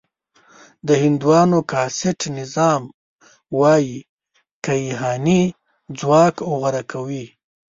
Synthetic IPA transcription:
d̪əhɪnd̪uwɑnokɑsɪʈnɪzɑm | wɑji | kaiɦɑni | d͡zwɑkoɣaɾakʰawi

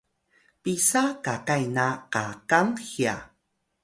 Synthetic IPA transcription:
pisakakajnaqakaŋxia̰

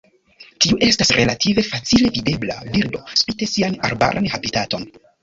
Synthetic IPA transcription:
tiuʔe̞stasɾʔe̞latʰive̞fat͡sile̞vide̞bla̰biɾdo̞spite̞siana̰ɾba̰ɾʔa̰nhabitato̞n

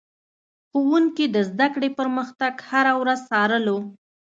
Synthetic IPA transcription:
xowuŋkid̪əzd̪akɽepəɾməxt̪aɡhaɾawɾazsɑɾəlo

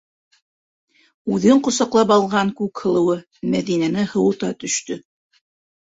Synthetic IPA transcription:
ʉðɘɴqŏsɑqlˠɑp̬ɑlˠʁɑŋkʉkhɤ̆lˠɤ̆wɤ | mæðinænɘhɤ̆wɤ̆t̪ɑt̪ɵ̆ʃt̪ɵ

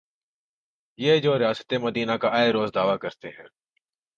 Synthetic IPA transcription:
jeːd͡ʒoːɾɪjaːsə̥t̪emɐd̪iːnakaʔaːeɾoːzd̪aːʋakɐɾt̪eɦɛ̃ː

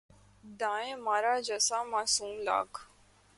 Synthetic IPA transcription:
d̪ãːẽmaːɾaːd͡ʒəsaːmaːsũːmla̰ːk

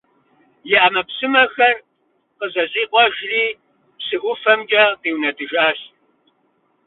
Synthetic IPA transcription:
jɪʔamɐpsɨmɐxɐr | qəzɐziːqʷʼɔʒriː | psɨʔʷʊfɐmt͡ʃʼɐqiːwnɐdɨʒaːɬ

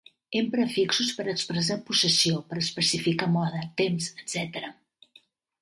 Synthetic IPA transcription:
empɾəfiksuspəɾəkspɾəz̬apusəsiopəɾəspəsifikamɔðət̪emsəd̪z̥ɛt̪əɾə

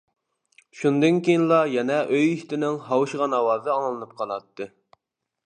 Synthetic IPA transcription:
ʃund̪ɨnkʲejinlˠɑjɛnɛʔøjyst̪ɪnɪŋɦɑwʃʁɑnɑwɑːzɨɑŋlˠɨnɨp̚qʰɑnɑt̪ʰːɨ

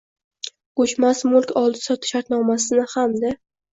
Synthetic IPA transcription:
ɡot͡ʃmasmʊlˠkʲʰɒlˠd̪ɪ̥sɒt̪ʰɪ̥ʃaɾt̪nɒmasɪnɪhamd̪a

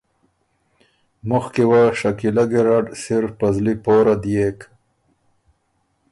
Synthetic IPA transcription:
mʊxkewaʂakilaɡeɾaɖsiɾfpɐzlipoːɾad̪ijek

